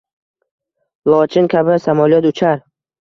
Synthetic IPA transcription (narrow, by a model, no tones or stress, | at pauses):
lˠɒt͡ʃʰɪŋkʲʰabɪsamɔlijɒt̪ʊt͡ʃʰaɾ